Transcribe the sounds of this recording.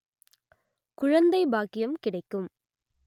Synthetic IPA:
kʊɻɐnd̪ɐɪbaːkɪjɐmkɪɽɐɪkːɯm

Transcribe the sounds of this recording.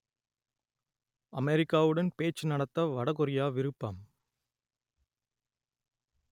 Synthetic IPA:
ɐmɛɾɪkːaːʋɯɽɐnpeːt͡ʃːɯnɐɽɐt̪ːɐʋɐɽɐkɔɾɪjaːʋɪɾɯpːaːm

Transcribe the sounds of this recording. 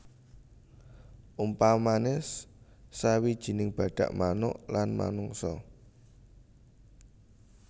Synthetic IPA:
ʔumpamanɪsː | awid̥ʒ̥i̤nɪŋb̥ä̤ɖ̥a̤ʔmanʊ̰ʔlanma̰nʊŋsɔ

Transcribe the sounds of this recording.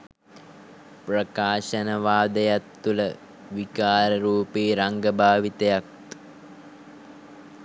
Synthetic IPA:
prɐkaːʃɐnəʋaːd̪əjat̪ːulə | ʋikaːɾəɾuːpiːɾaŋɡəbʱaːʋit̪ejak̚

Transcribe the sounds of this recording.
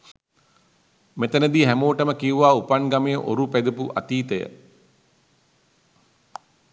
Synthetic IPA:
met̪ənəd̪iːɦæmoːʈəməkiuʋaːupanɡamejəʔo̰ɾupæd̪upuʔa̰t̪iːt̪əjə̰

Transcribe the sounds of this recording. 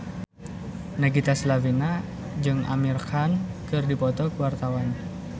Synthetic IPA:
naɡit̪aslawina | d͡ʒɨŋʔa̰mirkankɨrdipɔt̪ɔkuwart̪awan

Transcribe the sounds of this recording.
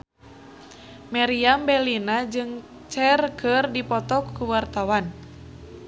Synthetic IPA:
maɾiambɛlinad͡ʒɨŋ | t͡ʃɛrkərdipɔt̪ɔkːuwart̪awan

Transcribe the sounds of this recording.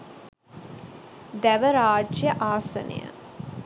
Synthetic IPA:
d̪æʋəɾaːd͡ʒjəʔaːsɐ̰nə̰jə̰

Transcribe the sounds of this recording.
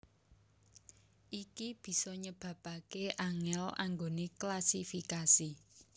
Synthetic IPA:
ʔikib̥i̤sɔɲəb̥ä̤pakeʔaŋɛla̰ŋɡoneklasifikasi

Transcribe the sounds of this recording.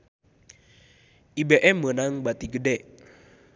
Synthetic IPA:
ʔibeʔɛmːənaŋbat̪iɡədɛʔ

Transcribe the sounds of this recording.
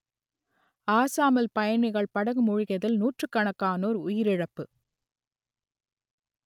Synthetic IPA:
aːsaːmɐlpɐjɐɳɪɣɐɭpɐɽɐɣɯmʊɻɪɣɐðɪlnuːʈrɯkːɐɳɐkːaːnoːɾʊjɪɾɪɻɐpːɯ

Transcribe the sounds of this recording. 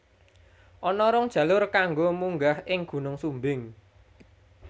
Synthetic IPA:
ʔɔnɔɾɔŋd̥ʒ̥ä̤lʊrkaŋɡomuŋɡahʔɪŋɡ̥ṳnʊŋsumbɪŋ

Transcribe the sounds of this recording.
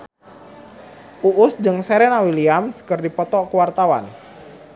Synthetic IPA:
ʔuʔʊsd͡ʒəŋsɛɾɛnawiliamskərdipɔt̪ɔkuwart̪awa̰n

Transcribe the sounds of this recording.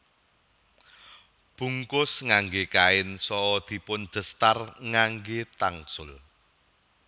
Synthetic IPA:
b̥ṳŋkʊsŋaŋɡekaɪnsɔd̪̥i̤pʊnd̪̥ə̤st̪arŋaŋɡet̪aŋsʊl

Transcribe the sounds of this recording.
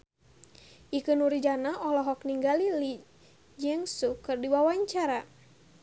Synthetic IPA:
ʔikɨnuɾid͡ʒanaʔɔlɔɦɔkniŋɡalili | d͡ʒəŋsukɨrdiwawaɲt͡ʃaɾa

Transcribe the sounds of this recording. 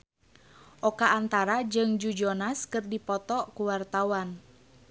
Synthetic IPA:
ʔɔkaːnt̪aɾad͡ʒɨŋd͡ʒud͡ʒɔnaskɨrdipɔt̪ɔkuwart̪awan

